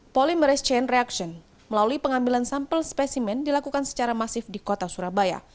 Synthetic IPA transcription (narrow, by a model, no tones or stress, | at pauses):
poliməɾɛst͡ʃɛnreakʃɔn | məlaluipəŋambilansampəlspɛsimɛndilakukansə̥t͡ʃaɾamasɪfdikot̪asuɾabaja̰